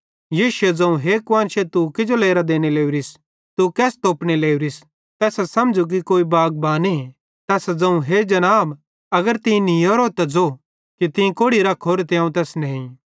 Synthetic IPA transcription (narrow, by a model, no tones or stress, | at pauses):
jiːʃʊed͡zɐ̃ũɦekʋãːnʃet̪ukɪd͡ʒoleːɾad̪eːñeleːuɾis | t̪ukɛːst̪oːpñeleːuɾis | t̪ɛːsɛsɐmd͡ʒuk̬ikoːibaːɡ̚baːni | t̪ɛːsd͡zɐ̃ũɦed͡ʒɐnaːb | ɐɡəɾt̪ɪ̃nĩoːɾot̪ɐd͡zo | kit̪ɪ̃ĩkoːɽiɾɐkʰoːɾet̪eaːũt̪ɛːsnɐɦĩ